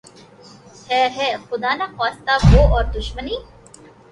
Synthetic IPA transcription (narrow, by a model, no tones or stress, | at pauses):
hɛːɦɛxʊd̪aːnaxwaːst̪aboːʔɔːɾd̪ʊʃməniː